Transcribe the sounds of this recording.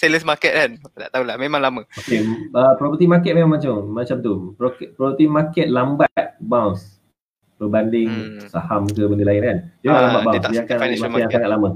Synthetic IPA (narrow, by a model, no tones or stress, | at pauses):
seləsmakɛt̪̚kandaʔt̪aulahmemãŋlamə̃okeəpɾopət̪imakɛt̪̚memãmat͡ʃammat͡ʃamt̪upokpɾopət̪imakɛt̪̚lambat̪̚bawns | pəbandɪŋsahamkəbəndilaɪnkand͡ʒaalambat̪ʔbawnsdiakanaimaijaŋsaŋat̪̚lamə